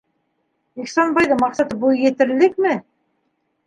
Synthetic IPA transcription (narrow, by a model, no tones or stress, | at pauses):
iksɑnbɑjðɤmɑqsɑt̪ɤbujjɘ̆t̪ɘ̆ɾlɘk̚mɘ